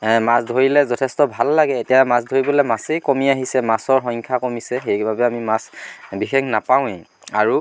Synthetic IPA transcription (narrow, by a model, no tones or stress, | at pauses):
masdʱoɹilɛzɔtʰɛstɔbʱalːaɡɛːtijamasdʱoɹibɔlɛmasejkomiaɦisɛmasɔɹxɔŋkʰakɔmisɛxejbʱabɛamimasbixeknapaw̃ɛ̃ | aɹu